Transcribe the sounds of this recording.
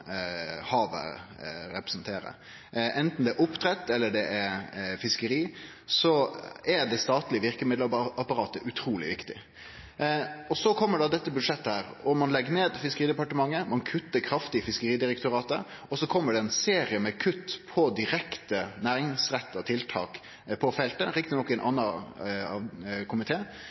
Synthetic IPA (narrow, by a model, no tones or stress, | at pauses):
hɑːʋə̰ɾɛpɾɛ̥snt̪ʰeːɾə̰ | ʔɛnt̪n̩d̪ɛæɾʔʊpt̪ʰɾɛt̪ːɛlːəɖɛʔɛɾfɪskəɾiː | sɔædɛst̪ɑːt̪lɪəʋɪɾkəmɪd̪lɑpɑɾɑːt̪əʔʉt̪ʰɾuːlɪ̰ʋɪkt̪ɪ | ɔsɔkʰɔmːəɖɑd̪ɛt̪ːəbʉd̪ʂɛt̪ːəhæːɾɔmɑnlɛɡːəneːd̪fɪskəɾiːd̪əpɑʈəmɑŋːəmɑnkʰʉt̪ːəɾkʰɾɑft̪ɪəfɪskəɾiːd̪ɪɾɛkt̪ʊɾɑːt̪ə̰ | ɔsɔkʰɔmːəɖɛɛnseːɾɪəmɛkʰʉt̪ːpʰɔd̪ɪɾɛkt̪ənæːɾɪŋsɾɛt̪ːɑt̪ʰɪlt̪ʰɑ̰ːk | pʰɔfɛlt̪əɾɪk̚t̪ɪnɔkːɛnʔɑnːɑɑkʰʊmɪt̪ʰeː